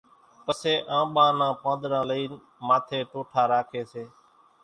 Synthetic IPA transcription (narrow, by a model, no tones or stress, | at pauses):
pəseːʔãːɓãːnãːpə̃ːd̪ɾãːləiːn | maːt̪ʰeːʈoːʈʰaːɾaːkʰeːseː